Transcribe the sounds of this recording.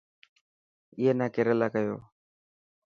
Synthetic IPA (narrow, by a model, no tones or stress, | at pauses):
ɪjeːnaːkeːɾəlaːkəjo̰ː